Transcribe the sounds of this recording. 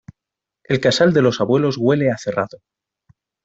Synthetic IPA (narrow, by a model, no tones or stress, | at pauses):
e̞lkasald̪e̞lo̞saβwe̞lo̞zɣwe̞le̞aθe̞raðo